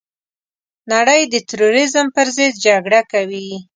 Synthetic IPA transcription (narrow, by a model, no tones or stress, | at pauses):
naɽəjd̪ət̪ɾoɾizəmpəɾzəd̪̚d͡ʒaɡɽakawi